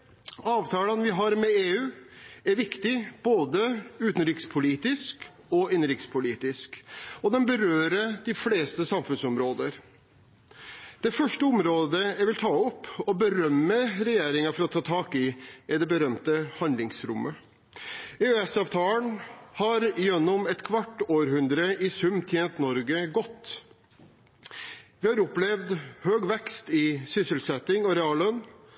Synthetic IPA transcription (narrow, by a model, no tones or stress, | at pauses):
ɑːʋt̪ʰɑːlənʋɪɦɑɾmɛeːʉːæɾʋɪkt̪ɪb̥oːd̪əʉːt̪nɾɪkspʰʊliːt̪ɪsk | ɔɪnːɾɪkspʰʊliːt̪ɪskɔd̪ɛnbəɾøːɾəd̪ɪfleːst̪əsɑmfʉnsɔmɾoːd̪əɾ | d̪̥ɛfœʂʈəɔmɾoːd̪əjæɪʋɪlt̪ʰɑːɔpːɔbəɾœmːəɾɛjeːɾɪŋɑfɔɾɔt̪ʰɑːt̪ʰɑːkɪɪd̪ɛbəɾœmt̪əhɑnd̪lɪŋsɾʊmːə | eøɛsɑːʋt̪ʰɑːləɳhɑɾjɛnːʊmɛt̪kʰʋɑʈːoːɾhʉnd̪ɾəɪsʉmːt̪ʰjeːnt̪nɔɾɡəɡɔt̪ː | ʋɪhɑɾɔplɛʋd̪høːɡʋɛkst̪ɪsʏsəlsɛt̪ɪŋɔɾɛɑːlœnː